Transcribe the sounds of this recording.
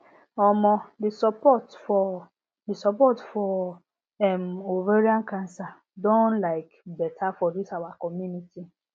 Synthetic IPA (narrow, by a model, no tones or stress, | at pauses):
ɔmɔ̃disɔpɔtfɔ | disɔpɔtfɔ | ɛmoveɾiãnkãnsa | dõnlaɪkbɛtʰafɔdisawakɔmjuniti